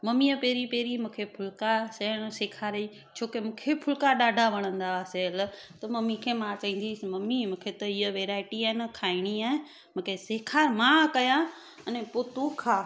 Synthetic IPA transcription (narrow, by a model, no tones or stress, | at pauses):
mɐmiəpeːɾipeːɾimũːkʰepʰʊlkaseɽ̃seːkʰaːɾi | t͡ʃʰoːkemũːkʰepʰʊlkaɗaːɖʱaʋɐɽ̃ə̃nd̪aʋaselt̪ɐmɐmikʰemãt͡ʃaĩːn̆d̪ismɐmimũːkʰet̪ɐiəʋeːɾaːɪʈiaɦɪnkʰaːiɽ̃iaːẽ | mũkʰeseːkʰaːɾmãkɐjã | ɐnɛpot̪ukʰaː